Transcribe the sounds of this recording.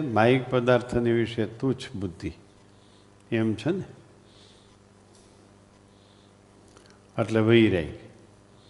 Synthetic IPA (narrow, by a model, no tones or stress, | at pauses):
maik̚pəd̪aɾt̪ʰəniʋiʂet̪ut͡ʃʰbud̪ʱːi | emt͡ʃʰəne | əʈleʋəiɾaḭ